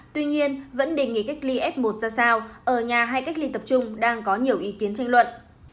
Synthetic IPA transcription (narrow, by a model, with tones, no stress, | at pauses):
t̪wi˧ɲi˧ənvə̰˧˥nɗe˨˩ŋḭ˧˨˩ka˦˥jk̟̚li˧ʔɛ˦˥p̚mo˨˩t̚zaː˧saː˧wʔəː˧˩ɲaː˨˩ɦaː˧jka˦˥k̟̚li˧t̪ə˨˩p̚t͡ɕʊ˧ŋ͡mɗaː˧ŋkɔ˨˦ɲi˨˩əwʔi˨˦ki˨˦ənt͡ɕa˧jŋ̟lwə̰˧˨n